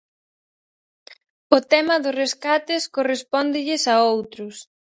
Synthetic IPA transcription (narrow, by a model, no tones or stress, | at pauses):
ʊt̪ɛmɐðʊsreskat̪ɪskorespɔnd̪ɪʎɪsɐowt̪ɾʊs